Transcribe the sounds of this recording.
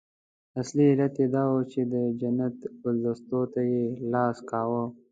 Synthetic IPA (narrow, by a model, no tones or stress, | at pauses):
asliːlat̪jed̪ɑːwot͡ʃed̪əd͡ʒɐnat̪bʊld̪əst̪ot̪ajelɑːskɑːwə